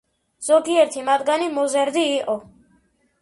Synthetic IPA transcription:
z̥ɔɡiɛɾt̪ʰimad̪ɡanimɔzɛɾd̪iːqʼɔ

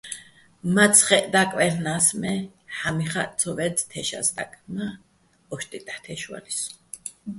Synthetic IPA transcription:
mat̪sʰχɛd̪akʼwɛlnasmɛħamiχat͡sʰɔvɛd̪t̪ʰɛʃa̰sd̪ʼa̰kʼma | ɔʃt̪ʼit̪ʼḁt̪ʰɛʃwa̰lis

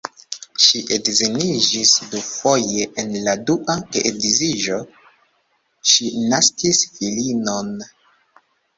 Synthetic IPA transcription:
ʃiʔedzenid͡ʒisdufo̞je̞ʔenladuʔakeʔedizid͡ʒo̞ | ʃinaskisfilino̞n

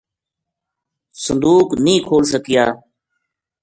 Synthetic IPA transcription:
sənd̪uːknĩːkʰoːls̬əkɪjaː

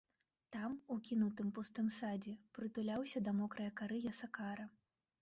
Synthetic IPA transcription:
t̪amukʲinuwt̪ɨmpust̪ɨmsad͡zʲɛpɾɨt̪ulʲawsʲɐd̪ɐmɔkɾɐjɐkaɾɨjɐsɐkaɾɐ

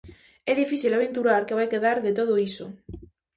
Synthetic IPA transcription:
ɛðifiθilaβ̞ent̪uɾaɾkeβajkeðaɾðet̪oð̞oiso

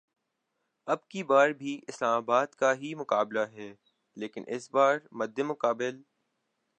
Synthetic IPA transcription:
ɐbkibaːɾbʱiʔɪslaːmaːbaːd̪kaɦimʊkaːblaɦɛː | leːkɪnʔɪsbaːɾmɐd̪ːemʊkaːbɪl

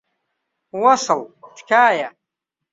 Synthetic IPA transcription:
wɑsɨlt̪ʰkʰaːja

